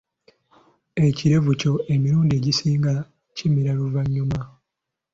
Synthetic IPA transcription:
e̞ciɾe̞vuco̞ʔemiɾuːndie̞ɟisiːŋɡa | cimiɾaluvaɲːuma

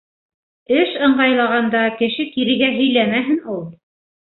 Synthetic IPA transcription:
ɘʃɤ̆ɴɢɑjlˠɑʁɑnd̪ɑkɘ̆ʃɘkiɾɘ̆ɡæɦɵ̆jlæmæɦɘnulˠ

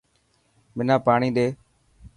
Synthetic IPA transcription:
mɪnãːpaːɳiːɗeː

